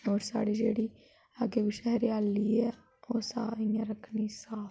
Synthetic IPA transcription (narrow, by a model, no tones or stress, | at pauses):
oːɾsa̰ːɽiːd͡ʒeːɽiː | əɡeːʋiːʃɛɦɾiaːlːiːɛː | oːsaːɪjãːɾəkʰniːsaː